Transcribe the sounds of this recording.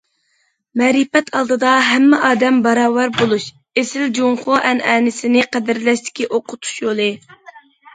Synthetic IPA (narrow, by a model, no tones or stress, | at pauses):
mɛɾipɛt̪ʰɑlˠd̪ɨd̪ɑɦɛmːɪʔɑːd̪ɛmbɑɾɑːwæɾbolˠuʃ | esɪld͡ʒoŋχoʔɛnʔɛnɪsɪnɪqæd̪ɪɾlɛʃt̪ɪ̥kʲiʔoqʰʊt̪ʰu̥ʃjolˠɨ